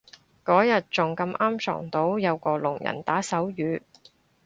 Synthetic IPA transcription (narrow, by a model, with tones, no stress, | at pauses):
kɔː˨˥jɐ˨t̚t͡sʊ˨ŋkɐ˧mʔaː˥msɔ̰ː˨˩ŋt̪o˨˥wjɐ˨˧wkɔː˧lʊ̰˨˩ŋjɐ̰˨˩nt̪aː˨˥sɐ˨˥wjyː˨˧